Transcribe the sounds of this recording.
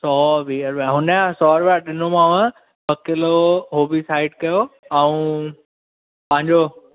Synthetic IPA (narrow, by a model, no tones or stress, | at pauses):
sɔːʋiɐɾʋaɦʊnəasɔːɾʋaɗɪnomãːʋə̃ | pɐkɪloɦoːbisaːɪɖkɐjoɛ̃ũ | pɐ̃ɦɪ̃ɲd͡ʑo